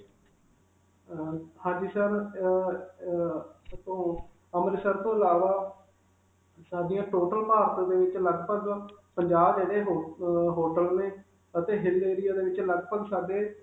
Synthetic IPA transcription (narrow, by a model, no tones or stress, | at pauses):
hãːd͡ʒiːsəɾ | t̪õː | əmɾɪsəɾt̪õːɪlaːʋaː | saːɖijãːʈoːʈəlpaːɾt̪ːd̪eːʋɪt͡ʃləɡpəɡpəɲd͡ʒaːbbeːɾeːɦɦoːʈəlnẽː | ət̪eːɦɪlːeːɾɪjaːd̪eːʋɪt͡ʃləɡpəɡsaːɖeː